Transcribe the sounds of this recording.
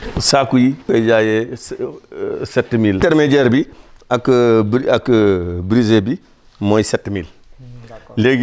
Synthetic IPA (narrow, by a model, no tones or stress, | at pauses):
sakujiked͡ʒaje | setːmilteɾmed͡ʒeɾbiakəbɾakəbɾizebi | mojsɛtːmil | leɡ